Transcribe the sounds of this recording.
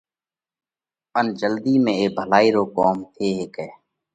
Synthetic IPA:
ənd͡ʒəld̪iːmẽːeːbʱəlaːiːɾoːkoːmt̪ʰeːɦekɛː

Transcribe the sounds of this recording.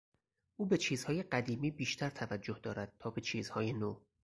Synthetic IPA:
ʔuːbe̞t͡ʃʰiːz̥hɒːje̞ɢæd̪iːmiːbiːʃt̪ʰæɾt̪ʰævæd͡ʒːohd̪ɒːɾæd̪̥̚t̪ʰɒːbe̞t͡ʃʰiːz̥hɒːjeno

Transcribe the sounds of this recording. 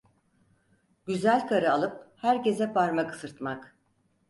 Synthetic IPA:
ɟ̥yzælʲkʰaɾɯalˠɯphæɾce̞zɛpʰaɾmakɯ̥sɯɾt̪mak

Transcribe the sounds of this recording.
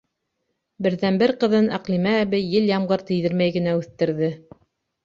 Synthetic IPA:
bɘ̆ɾðænbɘɾqɤ̆ðɤnæqlimæːβɘjɘljɑmʁɤɾt̪ɘ̆jðɘɾmæjɡɘ̆næʉθt̪ɘ̆ɾðɘ

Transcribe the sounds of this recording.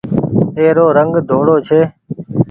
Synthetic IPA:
eːɾoːɾəŋɡd̪ʱoːɽoːt͡ʃʰeː

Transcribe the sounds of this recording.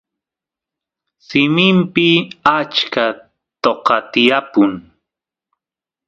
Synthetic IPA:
sɪmɪmpɪat͡ʃka | t̪oqɑt̪ɪjapʊŋ

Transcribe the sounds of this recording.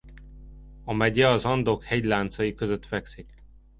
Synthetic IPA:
ɒmɛɟɛɒzɒnd̪okhɛɟlaːnt̪sɒjikø̞zøt̪fɛksik

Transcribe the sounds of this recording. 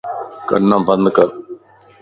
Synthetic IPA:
kə̰nːãːbə̃nd̪kəɾ

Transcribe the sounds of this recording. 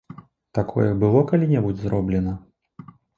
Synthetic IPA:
t̪akʰɔ̰jɛbɨlˠɔkalʲinʲɛbud͡zʲzɾɔblʲɛnɐ

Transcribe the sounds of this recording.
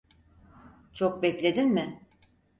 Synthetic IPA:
t͡ʃʰo̞k̚bɛclʲe̞d̪inmɪ

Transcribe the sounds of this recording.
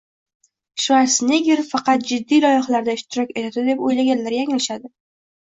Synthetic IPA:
ʃvaɾsneɡʲeɾfɑqɑt̪̚d͡ʒɪd̪ːijlɒjɪχalaɾd̪aɪʃt̪ʰɪɾɒkʲe̞t̪ʰat̪ɪd̪e̞pojlaɡʲanlːaɾjaŋʲɪlɪʃad̪ɪ

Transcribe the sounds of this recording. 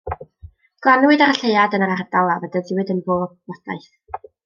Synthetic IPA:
ɡ̥lˠanwɨdaɾaɬejadənəɾaradalˠavədaðɪwɨdənboːb̚ɔd̥a̰jθ

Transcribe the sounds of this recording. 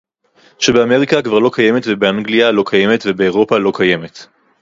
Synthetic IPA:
ʃebe̞ame̞ʁikakvaʁlo̞kaje̞me̞tvebeaŋɡlialo̞kʰaje̞metvebeːʁ̞o̞palo̞kʰaje̞me̞t

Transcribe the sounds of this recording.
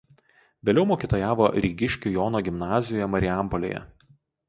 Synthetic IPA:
ʋʲeːlʲɛʊmoːkʲiːt̪oːjaːʋoːɾʲiːɡʲɪʃʲkʲujoːnoːɡʲɪmnɑːzʲɪjoːjɛmɐɾʲɪæˑmpɔlʲḛːjɛ̰

